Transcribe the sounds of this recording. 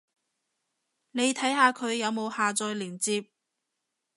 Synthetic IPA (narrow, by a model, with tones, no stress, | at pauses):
ne˨˧jt̪ʰɐ˨˥jhaː˨˧kʰɵ˨˧ɥjɐ˨˧wmo˨˧whaː˨˧t͡sɔː˧jliː˨˩ŋt͡siː˧p̚